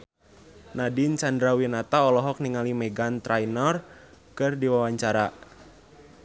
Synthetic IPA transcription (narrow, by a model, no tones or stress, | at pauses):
nadint͡ʃandɾawinat̪aɔlɔɦɔk̚niŋalimɛɡant̪ɾajnɔrkɨrdiwawaɲt͡ʃaɾa